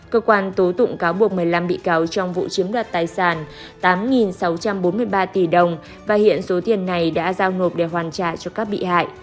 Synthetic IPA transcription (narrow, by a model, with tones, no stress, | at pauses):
kəː˧kwaː˧nt̪o˨˦t̪ʊ̰˧˨ŋ͡mkaː˨˦wɓu˨˩ək̚mɨ˨˩əjla˧mɓḭ˧˨kaː˨˦wt͡ɕɔ˧wŋ͡mvṵ˧˨t͡ɕi˨˦əmɗwaː˨˩t̚t̪aː˧˩jsaː˧˩n | t̪aː˨˦mŋi˨˩nsa˨˦wt͡ɕa˧mɓo˨˦nmɨ˧əjɓaː˧t̪i˧˩ɗə˨˩wŋ͡m | vaː˨˩hḭ˧˨ənso˨˦t̪i˨˩ənːa˨˩jɗa̰ː˧˥zaː˧wno˨˩p̚ɗe˧˩ɦwaː˨˩nt͡ɕa̰ː˧˨t͡ɕɔ˧kaː˦˥k̚ɓḭ˧˨ha̰ː˧˨jʔ